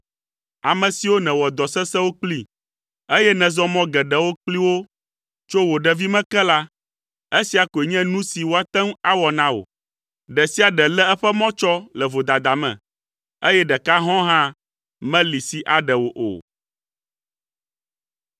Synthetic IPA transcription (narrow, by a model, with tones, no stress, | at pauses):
a˨mɛ̃˨si˨wo˦nɛ̃˨wɔ˨d̪ɔ˨sɛ˦sɛ˦wo˦k͡pli˦ | e˦jɛ˦nɛ̃˨zɔ˦mɔ̃˦ɡɛ˨ɖɛ˨wo˦k͡pli˦wo˦ | t͡ʃo˦wo˨ɖɛ˨vi˦mɛ̃˦kɛ˦la˦ | e˦si˦a˨ko˨e˨ɲɛ̃˦nũ˦si˨wo˦a˨t̪ɛ̃˦ŋ˦a˦wɔ˨nã˦o̰˨ | ɖɛ˨si˦a˨ɖɛ˨lɛ˦ɛ˦ɸɛ˦mɔ̃˦t͡ʃɔ˦lɛ˨vo˨d̪a˨d̪a˨mɛ̰̃˨ | e˦jɛ˦ɖɛ˨ka˦ɦɔ̃˦ɦã˦ | mɛ̃˦li˨si˨ʔa˨ɖɛ˨wo˨ʔo̰˨